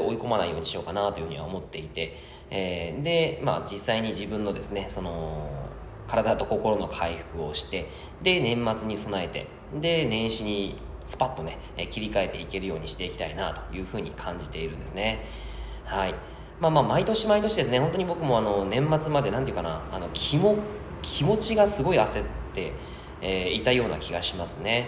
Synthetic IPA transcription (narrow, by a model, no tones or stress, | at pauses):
o̞iko̞manaijoːɲ̟iɕijo̞ːkanat̪o̞jɯ̟ɯ̟ɲiβa̰omo̞t̪ːe̞it̪e̞ | d̪e̞ma̰d͡ʑisːaiɲ̟iʑibɯ̟̃nːo̞d̪e̞sɨne̞so̞no̞ | kaɾad̪at̪o̞ko̞ko̞ɾo̞no̞kʰaiɸɯ̟̥kɯ̟o̞ɕi̥t̪e̞ | d̪e̞nẽ̞mːat͡sɨɲ̟iso̞nae̞t̪e̞̰ | d̪e̞nẽ̞ɰ̃ɕiɲ̟i | sɨ̥pat̪ːo̞ne̞kʲiɾʲikae̞t̪ːe̞ike̞ɾɯ̟jo̞ːɲ̟iɕi̥t̪e̞ikʲi̥t̪a̰ina̰t̪o̞̥jɯ̟ːɸɯ̟ːɲ̟ikʰãɲ̟d͡ʑit̪e̞iɾɯ̟̃nd̪e̞sɨne̞ | hai | maːmaːmait̪o̞ɕimait̪o̞ɕid̪e̞s̬ɨne̞ɦo̞nt̪o̞ɲ̟ibo̞kɯ̟mo̞ano̞nẽ̞mːat͡sɨmad̪e̞nãnt̪eiɯ̟kana̰ːno̞kʲʰimo | kʲʰimo̞t͡ɕiɡasɨɡo̞iase̞t̪ːe̞ | it̪ajo̞ːna̰kʲiɡaɕimasɨne̞